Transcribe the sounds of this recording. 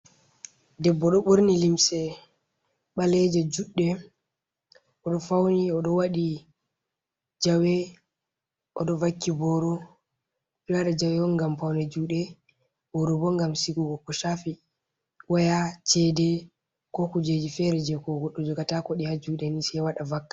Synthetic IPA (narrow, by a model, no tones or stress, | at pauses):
dɛbːɔɗɔɓoɾnilimsɛ | ɓalɛd͡ʒɛd͡ʒuɗːɛ | ʔɔɗɔfawniɔɗɔwaɗi | d͡ʒawɛ | ʔɔɗɔvakːibɔɾɔ | pilaɗad͡ʒawɛwɔŋɡamfawnɛd͡ʒuɗɛ | bɔɾɔbɔŋɡamsiɡuɡɔkɔʃafi | wajat͡ʃɛdɛ | kɔkud͡ʒed͡ʒifɛɾɛd͡ʒɛkɔɡɔɗːɔd͡ʒɔɡatakɔɗihad͡ʒuɗɛnisɛwaɗavakːḁ